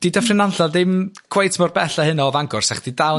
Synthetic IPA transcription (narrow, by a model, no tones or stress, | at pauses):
d̥idɛfrɪnanɬadɪmɡ̥ʰwejtʰmɔrbɛɬahɨnɔvaŋɡʊrsaχd̥idaw